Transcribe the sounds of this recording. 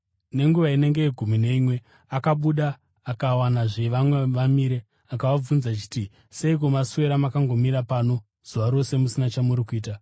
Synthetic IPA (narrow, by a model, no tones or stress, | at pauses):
ne̞ŋɡuʋaine̞ŋɡe̞eɡʱumine̞imwe̞ | akaɓuɗaː | kawanaʐeʋamwe̞ʋamiɾe̞ | akaʋab͡vunzat͡ʃi̥ti | se̞ik̬omasuwe̞ɾamakaŋɡo̞miɾapaːno̞ | z̥uʋaɾo̞se̞musinat͡ʃamuɾikuiːta